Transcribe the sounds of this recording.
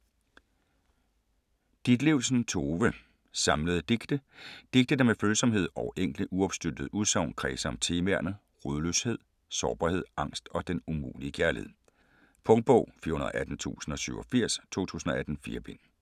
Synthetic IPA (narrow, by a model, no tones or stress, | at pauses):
d̥id̥leʊ̰lsn̩t͡sʰo̝ːʋə | sɑ̈mləð̞̩ˠd̥e̝ɡ̥d̥əd̥e̝ɡ̥̚d̥əd̥emeføːlsɒ̽mhe̝ð̞̰ˠɒʊʔeŋ̰ɡ̥ldəʔuɒ̽b̥sd̥yd̥əð̞̩ˠuðˠsɑ̈ʊ̰nkʰʁɛːsəɒ̽mt͡sʰe̝ːmæɐ̰nə | ʁøðˠlø̰she̝ð̰ˠ | sɒːb̥ɑhe̝ð̞̰ˠɑ̈ŋ̰sd̥ɒ̽d̥enumṵːliəkʰæɐlihe̝ð̰ˠ | pʰɔ̽ŋd̥̚b̥ɔʊ̰fiːɐhunɐðˠʔæd̥n̩t͡sʰṵːsn̩ɒ̽syʊɒfiɐ̰st͡sʰo̝̰ːt͡sʰṵːsn̩ɒ̽æd̥n̩fḭːɐb̥e̝n̰